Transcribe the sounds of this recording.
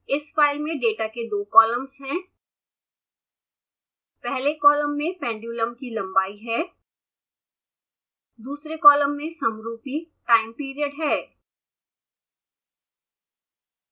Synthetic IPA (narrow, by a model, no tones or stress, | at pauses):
ɪsfaːɪlmẽɖeːʈaked̪oːkɔːləmzɦɛ̃ː | pɛɦlekɔːləmːẽpɛ̃ːɳɖjuːləmkilɐ̃mbaːiɦɛː | d̪uːsɾekɔːləmːẽsɐmɾuːpiʈaːɪmpiːɾijəɖɦɛː